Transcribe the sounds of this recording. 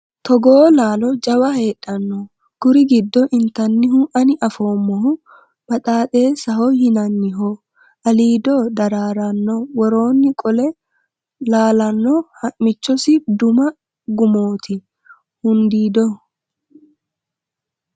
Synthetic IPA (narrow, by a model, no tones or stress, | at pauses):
t̪ɔɡoːlaːlɔd͡ʒɐwɐhe̞ːᶑːɐnːɔ | ɡ̥ʊɾɪɡɪd̪ːɔʔɪnt̪ɐnːɪɦʊʔɐnɪʔɐfo̞ːmːɔhʊ | b̥ɐt̪ʼaːt̪ʼe̞ːsɐɦɔhɪnɐnːɪɦo | ʔɐliːd̪ɔd̪ɐɾaːɾɐnːɔwɔɾo̞ːnːɪkʼɔlɛ | laːlɐnːɔhɐʔmɪt͡ʃːɔsɪd̪ʊmɐ | ɡʊmoːt̪ʰɪ | hʊnd̪iːd̪ɔ